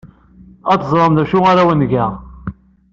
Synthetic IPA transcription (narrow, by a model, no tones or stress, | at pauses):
ɑt̪ːzˤlˤəmðæʃuaɾæwənɡæ